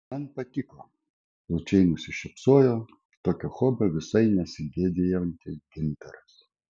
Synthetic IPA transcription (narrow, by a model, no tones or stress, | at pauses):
mɐnpɐt̪ʲɪkˠɐ | lˠʊt͡ʃʲɛɪnʊsʲɪʃʲɛpsoːjoː | t̪oːkʲɛxoːbʲɛʋʲɪsɐɪnʲɛsʲɪɡʲeːd̪ʲejɛnʲt̪ʲɪɡʲɪnʲt̪ɐɾɐs